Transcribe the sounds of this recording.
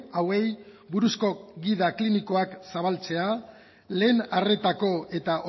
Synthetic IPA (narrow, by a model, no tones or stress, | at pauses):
awe̞j | buɾusko̞ɣiðakliniko̞aksaβ̞alt͡se̞a | le̞ːnare̞t̪ako̞e̞t̪aʔo